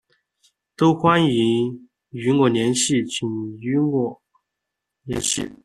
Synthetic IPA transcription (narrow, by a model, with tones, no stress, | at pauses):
t̪o˥ʊxwa˥ni˧˥ | y˧˥ŋwɔ˥˨˩njɛ˧˥nɕi˥˩t͡ɕʰi˨˩ny˧˥wɔ˥˩ | njɛ̰˧˥nɕḭ˥˩